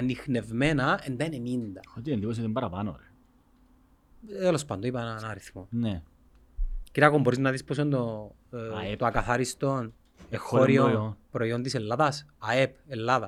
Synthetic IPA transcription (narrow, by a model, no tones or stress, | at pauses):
anːixne̞vmenɐend̪ɐene̞mind̪ɐot̪iend̪ipos̬iot̪imbɐɾapano̰ɾe | t̪elospɐnd̪oipɐennaɾiθmone | kiɾakomboɾiznɐðispos̬ond̪o | t̪oakaθaɾist̪on | exːoɾionpɾoiond̪iselːaðɐsɐepelːaðɐ